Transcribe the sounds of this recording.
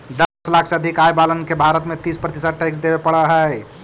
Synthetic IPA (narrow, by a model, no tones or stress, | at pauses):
d̪əslaːkʰseɐd̪ʱikaːjbalənkebʱaːɾət̪mẽt̪iːspɾət̪ɪsəʈɛks̬d̪ebepəɽəɦɛ